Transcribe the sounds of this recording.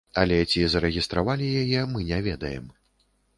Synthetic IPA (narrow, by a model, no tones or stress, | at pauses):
ɐlʲɛt͡sʲizɐɾɛɣʲist̪ɾavalʲijajɛmɨnʲɛvʲɛd̪ɐjɛ̰m